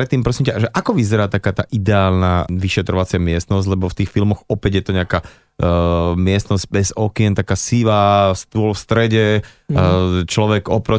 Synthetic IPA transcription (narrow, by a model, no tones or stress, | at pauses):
ɾɛt̪ːiːmpɾɔsiːmcaʒɛʔakɔʋizɛɾaːt̪akaːt̪aːʔid̪ɛaːlnaʋiʃɛt̪ɾɔʋat͡sɪamɪɛst̪nɔzɟlɛbɔft̪iːxfilmɔɣɔpɛɟjɛt̪ɔɲɛaka | mɪɛst̪nɔzɟ̚bɛzɔkɛnt̪akaːsiʋast̪ʊɔlfst̪ɾɛɟɛ | t͡ʃlɔʋɛɡɔpɾɔ